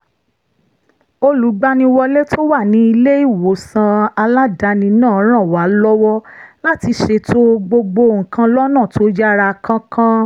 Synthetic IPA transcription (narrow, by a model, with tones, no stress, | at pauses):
o˧lu˨˦ɡ͡ba˧nĩ˧wɔ˧le˦tʰo˦wa˦˨nĩ˨˦i˧le˦i˦˨wo˨˦sã˧a˧la˦da˧nĩ˧nãː˦˨˦ɾ̃ã˦˨wa˨˦lɔ˦wɔ˦la˦ti˧ʃe˧tʰo˦ɡ͡bo˧ɡ͡bo˧˨ŋ̩˨kã˧lɔ˦nã˦˨tʰo˦d͡ʒa˦˧ɾa˧kã˦kʰã˦